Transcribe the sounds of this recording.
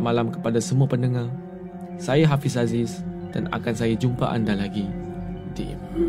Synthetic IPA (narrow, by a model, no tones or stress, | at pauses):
malamkəpadasəmuapəndəŋa | sajaɦafisazɪs | d̥ana̰kansajad͡ʒumpa̰ʔa̰ndalaɡitḭ